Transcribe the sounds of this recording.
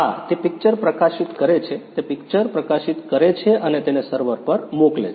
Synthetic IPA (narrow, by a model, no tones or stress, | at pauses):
ɦa̰t̪epɪk̚t͡ʃəɾpɾəkaʃit̪kəɾet͡ʃʰet̪epɪkt͡ʃəɾpɾəkaʃit̪kəɾet͡ʃʰeʔənet̪enesəɾʋəɾpəɾmoklḛt͡ʃʰ